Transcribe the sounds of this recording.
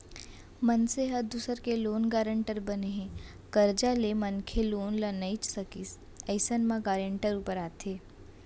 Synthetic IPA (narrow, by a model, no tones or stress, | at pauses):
mənseɦɐɾd̪uːsəɾkeloːnɡaːɾə̃ɳʈəɾbəneɦẽː | kəɾd͡ʒalemənkʰeloːnlənəɪt͡ʃsɐkis | əɪsənmãɡaːɾẽɳʈəɾuːpəɾaːt̪ʰeː